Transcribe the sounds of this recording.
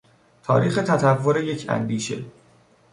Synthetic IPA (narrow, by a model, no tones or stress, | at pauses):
t̪ʰɒ̰ːɾiːxe̞t̪ʰæt̪ʰævːoɾe̞je̞cʰæ̰nd̪iːʃe̞̰